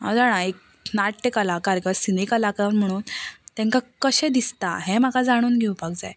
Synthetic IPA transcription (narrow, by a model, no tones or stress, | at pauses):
ɦa̰wd͡zaɽ̃aek̚ | naʈʈekalakaɾkəsinekalakaʋəɾm̤əɽ̃uːnt̪ɛ̃ŋkakəɕɛ̃d̪ist̪a̰ɦɛ̃m̤akad͡zaɽ̃uːnɡʱeũpaɡd͡zaj